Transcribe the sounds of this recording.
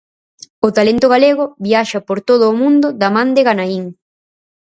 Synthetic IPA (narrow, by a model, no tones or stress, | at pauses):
ʊt̪alent̪ʊɣaleɣʊβiaʃɐpoɾt̪oð̞ʊːmũnd̪ʊd̪amãnd̪eɣanaiŋ